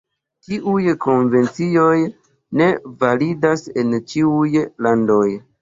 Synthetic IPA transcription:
tiʔujko̞nve̞nt͡sio̞j | ne̞validase̞nt͡ʃiujlando̞j

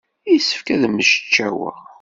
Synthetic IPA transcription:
isə̥fkæðmːəʃə̥t͡ʃːæwə̰ʁ

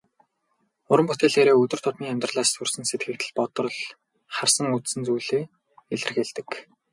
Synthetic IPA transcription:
ʊɾə̆mpʊt̪eːɮeːɾeːɵt̪ɵ̆r̥t̪ʰʊt̪niːæmʲt̪rəɮaːssɵrsɘ̆nset̪̚ɡɘ̆k̚t̪ʰɘ̆ɮpɔt̪ɞ̆r̆ɮ | χarsə̆ŋut̪sɘ̆nt͡suːɮeː | eɮɘ̆rxeɮt̪ɘ̆k

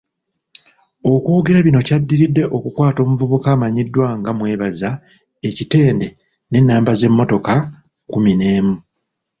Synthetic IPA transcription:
o̞kwuːɡeɾaβino̞cadːiɾidːe̞ʔo̞kukwaːto̞ːmuvuβukaːmaɲidːwaŋɡamwe̞ːβaza | e̞cite̞ːnde | ne̞nːaːmbaze̞mːo̞to̞ka | kumine̞ːmu

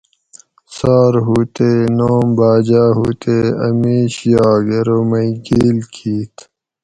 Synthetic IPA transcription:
saːɾɦuːt̪eːnoːmbaːd͡ʑaːɦuːt̪eːɐ̰miːɕjaːɡeɾomɐjɡiːlkʰiːt̪

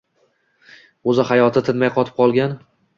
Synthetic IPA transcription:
ɵzɪhajɒt̪ʰɪt̪ʰɪnmajqʰɒt̪ʰɪp̚qʰɒlˠɡʲan

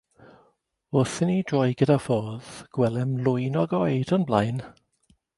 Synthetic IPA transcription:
ʊθɪnid̥rɔjɡədafɔːðɡ̥wɛlɛmlʊjnɔɡɔjdənblˠajn

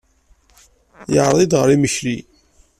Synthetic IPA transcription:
jəʕɾðˤid̪ʁəɾiməʃli

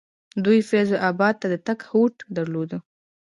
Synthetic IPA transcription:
d̪ujfezoʔabɑd̪̚t̪ad̪ət̪akhoʈd̪aɾlod̪ə

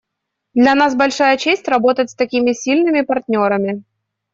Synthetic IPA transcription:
d̪lʲɐnasbɐlʲʂajət͡ɕesʲtʲrɐbo̞t̪ətʲst̪ɐkʲimʲɪsʲilʲnɨmʲɪpɐrtʲnʲo̞ɾəmʲɪ

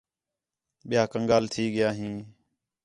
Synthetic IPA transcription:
ɓɪjaːkəŋɠaːlt̪ʰiːɠɪjaːɦĩː

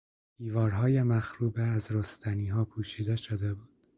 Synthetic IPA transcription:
d̪̥iːvɒːɾɦɒːjemæxɾuːbeæzɾost̪ʰæniːɦɒːpʰuːʃiːd̪eʃod̪ebuːd̪̥

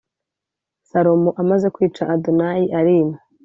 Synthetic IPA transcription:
saɾo̞moʔamaze̞kwiːt͡ʃaʔadonajiʔaɾime

